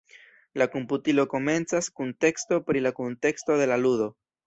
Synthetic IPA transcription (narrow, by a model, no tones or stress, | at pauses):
lako̞mputilo̞ko̞me̞nt͡saskunte̞ksto̞pɾilakunte̞ksto̞ðe̞laludo̞